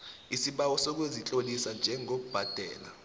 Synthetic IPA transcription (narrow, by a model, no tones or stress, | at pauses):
isiɓawɔsok̬wezit͡ɬʼolisand͡ʒʱɛŋok̬ub̥ʱad̥ʱɛ̰ːla